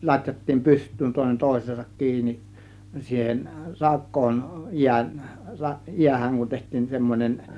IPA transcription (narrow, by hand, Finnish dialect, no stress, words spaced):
lɑtʲjɑtːiːm pystˑyːn toˑe̝nen toˑe̝sˑeːsɑk kiːni siːhen rɑkˑoːn jiæn jiæhæŋ kun tehtˑiːn semːonʲen